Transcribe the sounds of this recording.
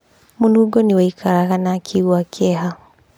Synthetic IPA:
munuɡɔniwaikʰaɾaɣanakʰiuwakɛɦa

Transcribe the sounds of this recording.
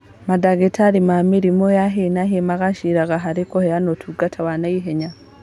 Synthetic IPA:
madaɡetʰaɾimamiɾimojaɦenaɦemaɡaʃiɾaɡaɦaɾikohejanotʰuɡatʰawanajiɦeɲa

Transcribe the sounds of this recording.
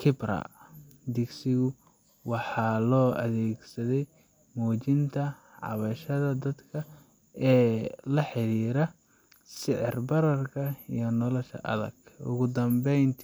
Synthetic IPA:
kʰɪbrɐ̰d̪ɪɡsɪɣʊ | wɑħɑːlɔːɐ̰ðɛːɡsɐðɛj | mɔːt͡ʃɪnt̪ʰɐʕɑ̰βɐʃɐðɐd̪ɐd̪kʰɐ | ɛːlɐħɪɾiːɾɐ | sɪʕɪ̰rbɐɾɐrkʰɐḭjɞnɔlɔʃɐ̰ʔɐ̰ðɐ̰ɡʊ̰ɣʊd̪ɐmbɛjnt̪ʰ

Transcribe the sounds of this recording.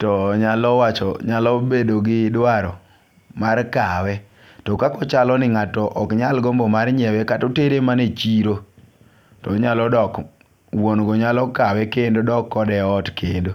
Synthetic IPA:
tɔɲalɔwat͡ʃɔ̰ɲalɔbedoɡɪdwaɾɔ | markawɛ | tɔkakɔt͡ʃalɔnɪŋatɔʔɔkɲalɡombomarɲɛwɛkatoteɾemanet͡ʃiɾo | tɔɲalɔdɔk | wonɡɔɲalɔkawɛkendodɔkːɔdɛɔtkendo

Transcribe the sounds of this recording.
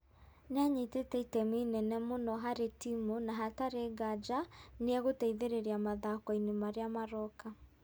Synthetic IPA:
neaɲitetɛitɛminɛnɛmonɔɦaɾetimonaɦataɾeɡad͡ʒaneɛɣotɛiðeɾeɾeamaðakɔinemaɾeamaɾɔka

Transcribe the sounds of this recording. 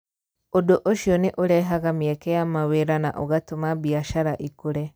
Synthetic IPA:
odoʔoʃioniʔuɾɛɦaɣamiɛkɛjamaweɾana̰ʔɔɣatomabiaʃaɾaʔikuɾɛ

